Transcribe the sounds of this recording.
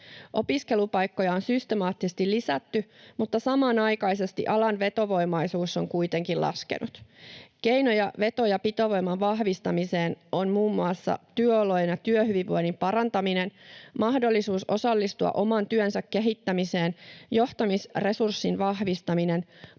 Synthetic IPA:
ʔo̞piske̞lupɑjkːo̞jɑonsyst̪emɑːt̪ːisest̪illisæt̪ːymut̪ːɑsɑmɑːnɑjkɑjse̞st̪ḭʔɑlɑnʋe̞t̪o̞ʋo̞jmɑjsuːsːo̞ŋkuit̪eŋkilʔɑ̰skḛnʔut̪ke̞jno̞jɑʋe̞t̪o̞jɑpit̪o̞ʋo̞jmɑʋɑhʋist̪ɑmiseːno̞nmuːmːuɑsːɑ̰t̪yøolo̞jnjɑt̪yøhyʋiʋʋo̞̰jnimpɑɾɑnt̪ɑmine̞nmɑhdo̞lːisuːso̞sɑlːist̪uɑ̰ʔo̞mɑnt̪yønsækːe̞ɦit̪ːæmise̞ːnjo̞ht̪ɑmisre̞sursːinʋɑhʋist̪ɑmine̞n

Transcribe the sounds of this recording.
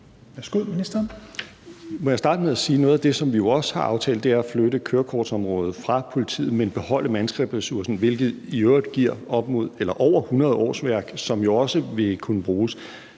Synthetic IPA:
ʋæsɡ̥uð̰ˠminisd̥ɐn | mɒ̽jasd̥ɑ̈ːd̥əmeðˠæsiːnɔ̽ːð̩ˠæd̥e̝sɒ̽mʋijo̝ɒ̽sə̥hɑ̈ʔɑ̈ʊt͡sʰɛ̰ːld̥e̝æɐæfløɾəkʰøːɐkʰɒːd̥sɒ̽mʁɔ̽ːð̩ˠfʁɑ̈pʰo̝lit͡sʰḭːð̩ˠmenb̥e̝hɒ̽l̰əmænsɡ̥ʁɛb̥ʁɛsuɐsn̩ʋe̝lɡ̥ð̞̩ˠiøʊɐd̥ɡ̥iɐ̰ɒ̽b̥mo̝ð̞̰ˠelɐʔɒʊ̰ɐhunʁɐð̞ˠɒ̰ːsʋæɐɡ̥sɒ̽mjo̝ɒ̽səʋe̝kʰunəb̥ʁuːs

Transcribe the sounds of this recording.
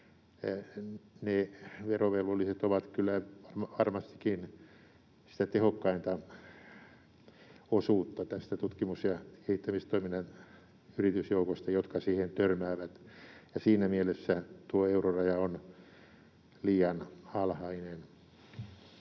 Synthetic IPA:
neʋeroʋelʋolːiset̪oʋɑt̪kylːæʋɑrmʋɑrmɑst̪i̥kin | si̥t̪æt̪ehokːɑint̪ɑ | osuːt̪ːɑt̪æst̪æt̪ut̪kimusjɑkehit̪ːæmist̪oiminːɑn | yrit̪ysjoukost̪ɑjot̪kɑsiːhent̪ørmæːʋæt̪jɑsiːnæmielesːæt̪uoeurorɑjɑon | liːjɑnɑlhɑinen

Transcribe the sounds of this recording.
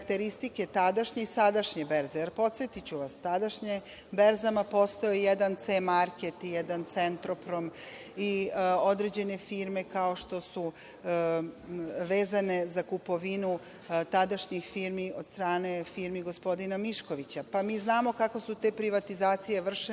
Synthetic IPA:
kt̪eɾist̪ike̞t̪ad̪aʃɲeisad̪aʃɲebeɾzejeɾpo̞t̪sjet̪it͡ɕuʋast̪ad̪aʃɲe | beɾzamapo̞st̪ojejed̪ant̪semaɾke̞t̪ijɛd̪ant̪se̞nt̪ɾo̞pɾo̞m | io̞d̪ɾe̞d͡ʑe̞ne̞fiːɾme̞kao̞ʃt̪o̞su | ʋe̞ːzane̞zakupo̞ʋinu | t̪ad̪aʃɲixfiɾmio̞d̪st̪ɾaːne̞fiɾmiɡo̞spo̞d̪inamiʃko̞ʋit͡ɕapamiːznaːmo̞kako̞sut̪e̞ːpɾiʋat̪izaːt̪sije̞ʋr̩ʃ

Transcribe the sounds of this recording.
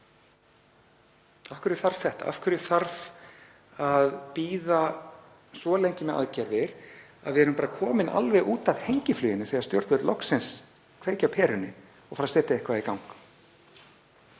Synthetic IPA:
afkʏɾɪθaɾ̥v̥θɛht̪a̰ʔa̰fkʏɾɪθaɾv | aðpiːða | svɔlejɲcɪmɛða̰ðcɛɾðɪɾa̰ðvɪɛɾʏmpaːɾakʰɔːmɪnʔa̰lvɛɣʔuːt̪aðhejɲcɪflyːjɪnːɪθiaɾst̪jœ̰ɾt̪vɛt̪lɔksɪns | kʰveːcawpʰɛːɾʏnːɪ | ɔɣfaɾasɛːt̪aɛhkʰvaːikawŋk

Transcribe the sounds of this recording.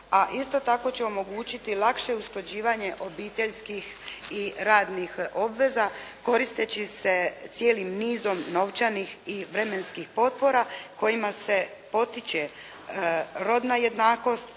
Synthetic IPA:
aʔist̪o̞t̪ako̞t͡ɕeo̞mo̞ɡuːt͡ɕit̪ilˠakʃe̞usklˠad͡ʑiːʋaɲe̞ʔo̞biːt̪eʎskixiɾaːd̪nixo̞bʋe̞zako̞ɾist̪et͡ɕise̞t̪sje̞ːlimniːzo̞mno̞ʋt͡ʃanixiʋɾemenskixpo̞t̪̚po̞ɾako̞jimase̞po̞t̪it͡ɕe̞ | ɾo̞d̪naje̞d̪naːko̞st̪

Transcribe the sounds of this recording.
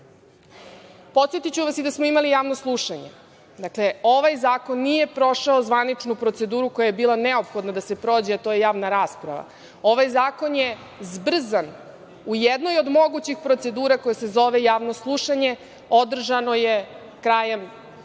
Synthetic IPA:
po̞t̪sjet̪it͡ɕuʋasid̪asmoimalijaːʋno̞slˠuʃaɲḛ | d̪akle̞o̞ʋajzaːko̞nːije̞pɾo̞ʃaozʋanit͡ʂnupɾot̪se̞d̪uːɾuko̞jajebiːlˠane̞o̞pxo̞d̪nad̪ase̞pɾo̞ːd͡ʑeat̪o̞ːjejaːʋnaɾaːspɾa̰ʋa̰ | o̞ʋajzaːko̞nje | zbr̩zan | ujed̪nojod̪mo̞ɡut͡ɕixpɾot̪se̞d̪uːɾako̞jese̞zo̞ʋejaːʋno̞slˠuʃaɲe̞ | o̞d̪r̩ʒano̞je | kɾaːjem

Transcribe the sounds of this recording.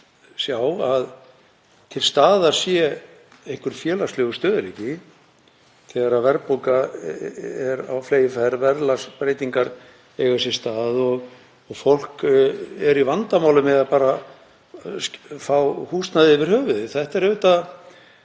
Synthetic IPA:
sjaːwað | t̪ʰɪlst̪aːðḁsjɛ | ejhŋ̥kvʏɾ̥fjɛːlaslɛːɣʏst̪œːðɪɾihcɪ | θɛːɣaɾavɛɾpoka | ɛɾa̰wfleːjɪfɛɾvɛɾlaspɾeːjt̪iŋkaɾ | ɛjɣasjɛ̥st̪aːðɔɣ | ɔɣfowl̥kɛɾivant̪amaːwlʏmɛðapaːɾa | fawhuːst̪naðɪɪvɪɾ̥hœːvʏðɪθɛht̪ɛɾeʏt̪a

